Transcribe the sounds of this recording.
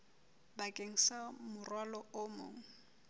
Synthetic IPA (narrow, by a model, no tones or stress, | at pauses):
bakʼeŋ̩samʊrwalɔʊmo̰ːŋ̩